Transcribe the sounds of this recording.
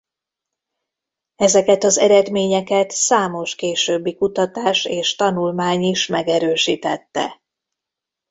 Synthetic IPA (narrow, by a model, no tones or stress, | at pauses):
ɛzɛkɛt̪ɒzɛɾɛd̪meːɲɛkɛt̪saːmo̞ʃkeːʃøːbːikut̪ɒt̪aːʃeːʃt̪ɒnulmaːɲiʃmɛɡɛɾøːʃiːt̪ɛt̪ːɛ̰